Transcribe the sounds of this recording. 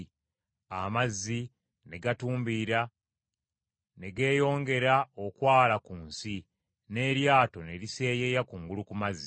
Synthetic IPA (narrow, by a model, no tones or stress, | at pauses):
amazːi | ne̞ɡatuːmbiɾa | ne̞ɡe̞ːjo̞ːŋɡe̞ɾao̞kwaːlakuːnsi | ne̞ɾjaːto̞ne̞ɾise̞ːje̞jakuŋɡulukumazːi